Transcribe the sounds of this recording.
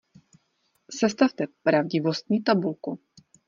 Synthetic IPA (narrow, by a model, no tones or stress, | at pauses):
sɛst̪aft̪ɛpɾavɟɪvo̞st̪ɲiːt̪abulku